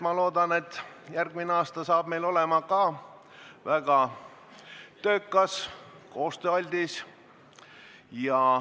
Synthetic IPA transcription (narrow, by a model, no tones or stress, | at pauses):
mɑlo̞ːd̪ɑne̞t̪ːˑjærɡmineɑːst̪ɑsɑːb̥me̞jlo̞lɛmɑkɑː | væɡ̥ɑ | t̪øːkːˑɑs | ko̞ːst̪øɑlʲd̪̥is | jɑ